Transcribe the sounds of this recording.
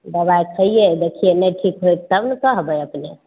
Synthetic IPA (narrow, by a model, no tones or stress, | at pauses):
d̪əbajt͡ʃʰəɦijed̪ekʰienɛʈʰikɦojt̪əbnəkəɦbəjəpne